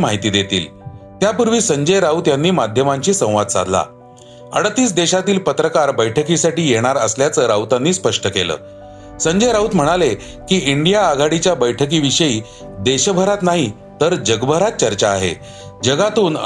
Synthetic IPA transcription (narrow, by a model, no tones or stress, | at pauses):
maɦit̪iːd̪et̪ḭːlt̪japuɾʋiːsəɲd͡ʑəjɾaut̪janːiːmad̪ʱjəmãɲt͡ɕiːsə̃w̃ʋad̪̚t͡sa̰d̪la̰ | ə̰ɽət̪iːsd̪eɕat̪iːlpət̪ɾəkaɾbəjʈʰəkisaʈiːjeɽ̃aɾəsljat͡səɾawt̪anːiːspəʂʈəkelə̰ː | səɲd͡ʑəjɾaut̪m̤əɽ̃ale | kiːiɳɖijaːɡʱaɽit͡ɕjabəjʈʰək̬iːʋiɕəiː | d̪eɕbʱəɾat̪naɦi | t̪əɾd͡ʑəɡbʱəɾat̪̚t͡ɕəɾt͡ɕaːɦḛ | d͡ʑəɡat̪uːn